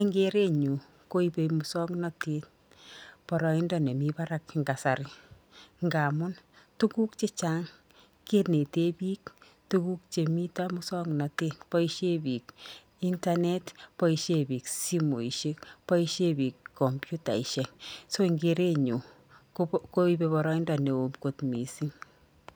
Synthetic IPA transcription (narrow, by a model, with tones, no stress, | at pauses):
iŋɡe˦ɾe˦ɲu˨ | ko˦ipe˧mu˨sɔ˦knɔ˦te˦t̚ | pɔɾɔ˨i˦ndɔne˨miba˦ɾa˦kŋɡa˨saɾɪ˦ | ŋɡaː˨mʊ˦ntu˦ku˦k̚t͡ʃe˦t͡ʃa˦ŋ | ke˦tne˨te˦biː˦k̚ | tuku˦k̚t͡ʃe˨mi˦tamu˦sɔ˦knɔ˨teː˦tpɔ˦iʃe˦bi˨k | i˦nta˦ne˦tpɔ˦iʃe˦bi˨ksi˦mo̰˨i˨ʃe˦kpɔ˦iʃe˦bi˨kʰːɔ˨mpju˦ta̰˨i˨ʃe˨ŋso˦iŋɡe˨ɾe˦ɲu˨ | ko˦i˦bebɔ˨ɾɔ˦i˦ndɔ˨ne˨o˨mko˨tmi˨si˦ŋ